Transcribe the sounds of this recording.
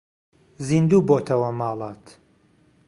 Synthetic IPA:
zind̪uːboːt̪ʰɐwɐmaːlˠaːt̪

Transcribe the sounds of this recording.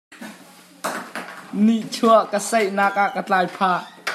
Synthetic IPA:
niʔt͡sʰuəʔkəsɛjnak̚ʔaʔkət͡ɬaːjpʰaː

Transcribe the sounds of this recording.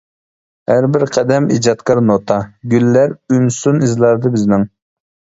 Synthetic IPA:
hæɾbɪɾqʰɛd̪ɛmḭd͡ʒɑt̪kɑɾnot̪ʰɑɡʲylːæɾynsunizlˠɑɾd̪ɨbɪznɪŋ

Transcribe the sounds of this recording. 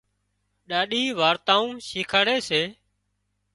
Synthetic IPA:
ɗaːɗiːʋaːɾt̪ãːũːʃiːkʰaːɽeːseː

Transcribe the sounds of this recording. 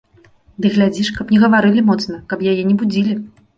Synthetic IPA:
d̪ɨɣlʲad͡zʲiʂkɐpnʲɛɣɐvaɾɨlʲimɔt̪snɐkɐpjajɛnʲɛbud͡zʲilʲi

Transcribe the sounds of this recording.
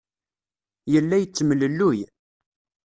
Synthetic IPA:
jəlːæjət͡sːmələlːuj

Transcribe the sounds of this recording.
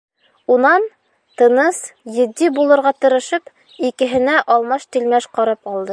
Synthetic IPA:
unɑn | t̪ɤ̆nɤsjɘ̆d̪ːibulˠɤ̆ɾʁɑt̪ɤ̆ɾɤ̆ʃɤp | ikɘ̆ɦɘ̆næʔɒlˠmɑʃt̪ilmæʃqɒɾɑpɒlˠd̪ɤ

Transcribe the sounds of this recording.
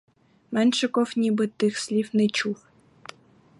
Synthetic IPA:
mɛnʃɛkɔfnʲibɨt̪ɪxsʲlʲiwnɛt͡ʃuw

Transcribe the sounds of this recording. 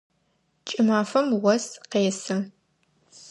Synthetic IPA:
t͡ʃʼɪmaːfɐmwɐsqeːsɨ

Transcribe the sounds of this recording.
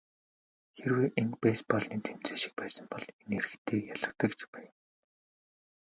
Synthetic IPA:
xerweːʔenpæːspɔɮniːt̪ʰem̥t͡seːʃɪ̥̆k̚pæːsə̆mpɔɮeneɾɘ̆xt̪ʰeːjaɮə̆kt̪ə̆kt͡ɕʰpæːn

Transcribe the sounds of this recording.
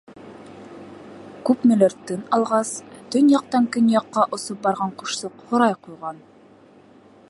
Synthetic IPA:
kʉpmɵ̆lɘ̆ɾt̪ːɘnɑlˠʁɑst̪ɵnjɑqt̪ɑŋkɵnjɑqːɑʔŏsop̚bɑɾʁɑɴqŭʃsɤqhŏɾɑjqujʁɑn

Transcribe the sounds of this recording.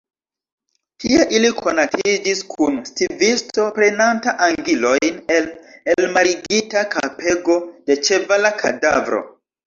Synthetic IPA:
tʰie̞ʔilikʰo̞natʰid͡ʒiskʰunstivisto̞pɾenantaʔaŋɡilo̞jne̞lelmaɾiɡitakapʰe̞ɡo̞d̥e̞t͡ʃe̞valakʰa̰davɾo̞̰

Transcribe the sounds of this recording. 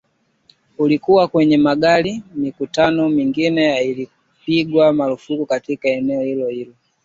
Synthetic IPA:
ulikuwakwɛɲɛmaɡalimikutanɔmiŋɡinɛjaili | piɡwamalufukukatikaɛnɛɔhilɔhilɔ

